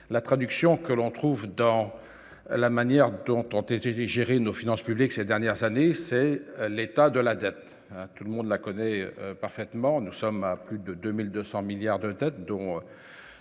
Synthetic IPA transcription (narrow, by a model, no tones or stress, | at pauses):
lat̪χad̪yksjɔ̃kəlɔ̃t̪χuvd̪ɑ̃ | lamanjɛʁd̪ɔ̃t̪ɔ̃t̪et̪ɛʒeʁenofinɑ̃spybliksed̪ɛʁnjɛʁzanesɛlet̪ad̪əlad̪ɛt̪ | ɛ̃t̪uləmɔ̃d̪lakɔnɛpaʁfɛt̪mɑ̃nusɔmaplyd̪əd̪ømild̪øsɑ̃miljaʁd̪əd̪ɛt̪d̪ɔ̃